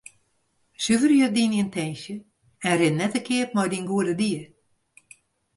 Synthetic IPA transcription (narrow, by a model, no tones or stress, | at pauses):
syvərjødinintʰɛjnsjə | ɛnrɪnnːɛtəkʰɪət̚mɔjdinɡuədədiər